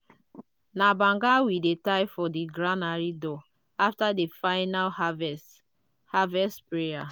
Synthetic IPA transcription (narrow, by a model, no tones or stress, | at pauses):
nabãŋɡawidetaɪfɔdiɡɹɾanaɾidɔ | aftadefaɪnal | havɛstpɹeja